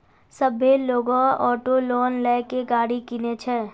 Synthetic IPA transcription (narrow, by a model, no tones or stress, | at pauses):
səbʱeloːɡõɔːʈolɔːnlɛːkeɡaːɽikinet͡ʃʰɛː